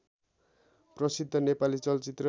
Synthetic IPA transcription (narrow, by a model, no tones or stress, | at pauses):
prʌsid̪ʱːʌnepalit͡sʌlt͡sit̪rʌ